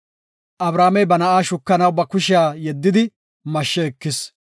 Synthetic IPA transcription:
ʔɐbɾaːmɛjbɐnɐʔaːʃʊkːɐnɐwbɐkʊʃɪjaːjɛd̪ːɪd̪ɪ | mɐʃːɛːkːɪs

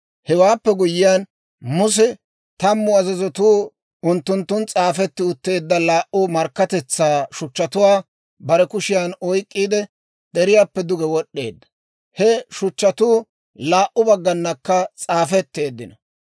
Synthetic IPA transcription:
hɛwaːpːɛɡʊjːɪjan | mʊs̬ɛ | t̪ɐmːʊɐzɐzɔt̪uː | ʊnt̪ːʊnt̪ːʊnt͡sʼaːfɛt̪ːɪʊt̪ːe̞ːd̪ːɐlaːʔʊmɐɾkːɐt̪ɛt͡sːaːʃʊt͡ʃːɐt̪ʊwaː | bɐɾɛkʊʃɪjanɔjkʼːiːd̪ɛ | d̪̥ɛɾɪjaːpːɛd̪ʊɡɛwɔɗːe̞ːd̪ːɐ̥ | hɛʃʊt͡ʃːɐt̪uː | laːʔʊbɐɡːɐnːɐkːɐt͡sʼaːfɛt̪ːe̞ːd̪ːɪnɐ

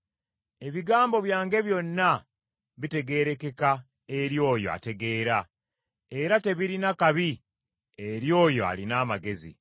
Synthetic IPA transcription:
e̞βiɡaːmbo̞βjaːŋɡe̞βjo̞nːa | βite̞ɡe̞ɾe̞ke̞ka | e̞ɾjo̞ːjo̞̰a̰te̞ɡe̞ːɾa | e̞ɾate̞βiɾinakaβi | eɾjo̞ːjo̞a̰linaːmaɡe̞zḭ

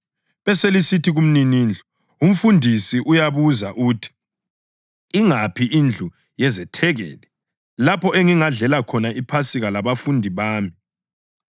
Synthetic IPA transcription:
βɛselisitʰiɣum̩niniːnd͡ɮʱɔ | um̩fundʱisiʔujaβuzaʔutʰi̥ | iŋapʰiʔind͡ɮʱu | jɛzɛtʰɛɣɛ̰ːlɛ | lapʰɔʔeŋiŋaɮɛlakʰɔnaipʰasiɣalaβafundʱiβaːmi

